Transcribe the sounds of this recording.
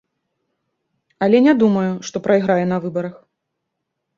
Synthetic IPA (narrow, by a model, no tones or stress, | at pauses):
ɐlʲɛnʲɛd̪umɐjuʂt̪ɔpɾɐjiɣɾajɛn̪ɐvɨbɐɾɐx